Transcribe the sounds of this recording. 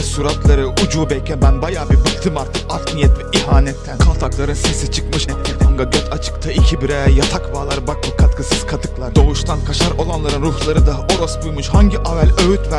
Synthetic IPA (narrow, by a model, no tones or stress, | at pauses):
suɾat̪lˠaɾɯud͡ʒuːbɛjʰɛnbænbajaːbibɯkt̪ʰɯmaɾt̪ʰɯkafnijɛt̪vɛiɦaːnɛt̪ʰːænkʰalˠt̪ʰaklˠaɾɯnsisit͡ʃʰɯkmɯʃɛɛaŋɡaɟøt̪ʰat͡ʃʰɯ̥kt̪ʰaicʰibiɾɛjat̪ʰakbalˠaɾɯbak̚bɯkʰat̪kʰɯsɯz̥kʰat̪ʰɯklˠaɾɯd̪o̞vuʃt̪ʰankʰaʃaɾo̞lˠanlˠaɾɯnɾuhlˠaɾɯd̪aʔo̞ɾosbujmuʃhaɲɟiʔavælʲøyt̪væ